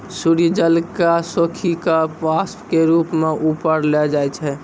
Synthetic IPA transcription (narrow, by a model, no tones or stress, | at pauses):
suɾid͡ʒəlkasokʰikapaspkeɾupmeʔupəɾlɛd͡ʒajt͡ʃʰɛ